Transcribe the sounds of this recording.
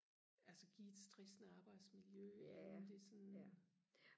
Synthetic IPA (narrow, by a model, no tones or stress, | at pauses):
ælsəɡ̥ied̥sd̥ʁisnəɑ̈ːb̥ɑ̈ɪd̥smiljøemd̥e̝sɔ̽n